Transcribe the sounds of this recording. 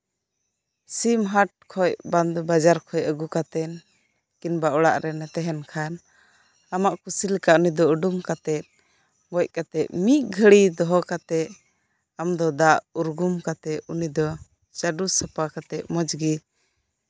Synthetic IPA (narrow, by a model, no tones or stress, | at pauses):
simɦaʈ̚kʰɔjband̪bad͡ʒaɾkʰɔjəɡukat̪ɛn | kinbaɔɽa̰ʔɾɛnɛt̪ɛɦɛnkʰan | amaʔkusilɛkaunid̪ɔəɖumkat̪ɛt̪̚ | ɡɔc̚ˀkat̪ɛʔ̪̚miʔ̚ɡʱəɽid̪ɔɦɔkat̪ɛʔ | amd̪ɔd̪aʔuɾɡumkat̪ɛʔunid̪ɔ | t͡ʃaɖusapakat̪ɛʔ̪̚mɔd͡ʒɡi